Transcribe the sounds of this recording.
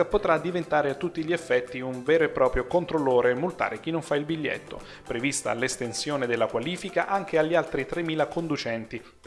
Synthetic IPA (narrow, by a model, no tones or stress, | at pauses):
apot̪ɾad̪ivent̪aːɾeat̪ːut̪ːiʎːiefːɛt̪ːiuɱvɛːɾoepːɾɔːpɾjokont̪ɾolːoːɾemult̪a̰ːɾek̟inːoɱfailbiʎːḛt̪ːo̰ | pɾevist̪a̰lːest̪ensjoːned̪elːakwaliːfikaʔaŋk̟eaʎːialt̪ɾit̪ɾemːiːlakond̪ut͡ʃɛnt̪i